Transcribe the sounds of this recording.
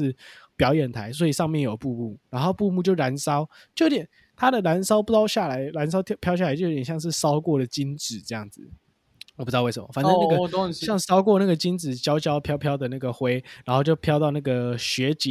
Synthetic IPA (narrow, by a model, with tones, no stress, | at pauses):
pjɑ˨˩ʊjɛ˨˩nt̪ʰa˧˦ɪs̬wɔ˧˥i˨˩ʂɑ˥˧ŋmjɛ˥˩njo˨˩ʊpu˥˧mu˥˩ɻa˧˥nxo˥˧ʊpu˥˧mu˥˧t͡ɕjo˥˩ʊɻa˧˥nsɑ˥ʊ | t͡ɕo˥˩o˥t̪jɛ˨˩n | t̪ʰa˥d̪ə˨la˧˦˥nsɑ˥ʊpu˥˩t̪ɑ˥˧ʊɕja˥˩la˧˦ɪla˧˥ns̬ɑ˥ʊt̪ʰpʰjʊɕja˥˩la˧˦t͡ɕo˥˧˩jjɑ˥˧ŋʂɻ̩˥˩sɑ˥ʊkwɔ˥˩d̪ə˩t͡ɕi˦nt͡sɹ̩˨˩˦t͡sɤ˥˧jɑ˥˩ŋd͡zɹ̩˨˩ | o˨˩p̩̪˧˥ɑ˥˧wsə˨˩mɐ̰˦˩fa˨˩nə˥˨na˥ɡə˨ɕjɑ˥˧ŋsɑ˥ʊk̬wɔ˥˧na˥˩ɡə˩t͡ɕi˦nt͡sɹ̩˨˩t͡ɕjɑ˥ʊt͡ɕjɑ˦ʊpʰjɑ˥ʊpʰjɑ˥ʊd̪ə˨na˥˩ɡə˩xwe˥ɪɻa˧˥nxo˥˧ʊt͡ɕjo˥˩ʊpʰjɑ˥ʊt̪ɑ˥˧ʊna˥˩ɡə˩ɕɥɛ˧˦t͡ɕi˨˦